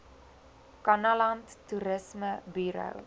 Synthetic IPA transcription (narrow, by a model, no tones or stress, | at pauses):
kɐnɐlɐnttːuɾəsməbyɾə̰w